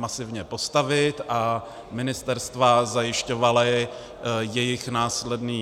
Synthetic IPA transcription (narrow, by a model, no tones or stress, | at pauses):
masɪvɲɛpo̞st̪avɪt̪ʔa | mɪnɪst̪ɛɾst̪vazajɪʃco̞valɪ | jɛjɪxnaːslɛdniː